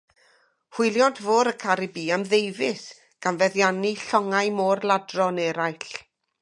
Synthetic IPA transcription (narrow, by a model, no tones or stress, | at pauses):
hwɪjlˠjɔndvoːɾəkʰaɾɨbiːamðejvɪs | ɡ̥anvɛðjaniɬɔŋajmoːrlˠadrɔnɛɾajɬ